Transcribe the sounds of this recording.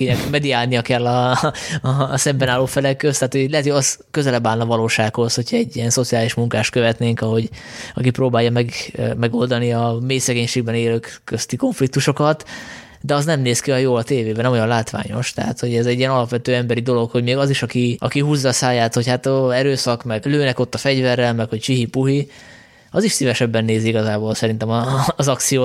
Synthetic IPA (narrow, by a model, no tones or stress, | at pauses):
inɛkmɛd̪iaːlnijɒkɛlːɒ | ɒsɛmbɛnaːlːoːfɛlɛkːøst̪aːt̪hojlɛɦɛt̪hojɒskøzɛlɛbaːlnɒvɒloːʃaːkho̞sho̞cʰɛɟːijɛnso̞t̪siaːliʃmuŋkaːʃt̪̚køvɛt̪neːŋkɒɦo̞ɟ | ɒkipɾoːbaːjːɒmɛɡmɛɡo̞ld̪ɒniɒmeːjsɛɡeːɲʃeːɡ̚bɛneːløːkːøst̪iko̞ɱflikt̪uʃo̞kɒt̪ | d̪ɛɒznɛmneːskiɒjoːɒt̪eːveːbɛnɛmo̞jɒnlaːt̪ʋa̰ːɲo̞̰ʃt̪ɛɦa̰t̪ho̞ɟɛzɛɟːijɛnɒlɒpʋɛt̪øːɛmbɛɾid̪o̞lo̞kho̞ɟmeːɡɒziʃɒkiʔɒ̰kiɦuːzːɒːsaːjaːt̪ho̞chat̪ɛɾøːsɒkmɛɡløːnɛko̞t̪ːɒfɛɟvɛrːɛlmɛkho̞ct͡ʃiɦipuɦi | ɒziʃsivɛʃɛbːɛnːeːziiɡɒzaːboːlsɛɾint̪ɛmɒːzɒkt̪sijoː